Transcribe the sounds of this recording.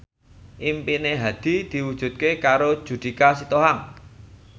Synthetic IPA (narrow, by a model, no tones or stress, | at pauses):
ʔimpineɦad̪̥i̤d̪̥i̤wud̥ʒ̥ṳt̪̚kekaɾod̥ʒ̥ṳd̪̥i̤kasit̪oɦaŋ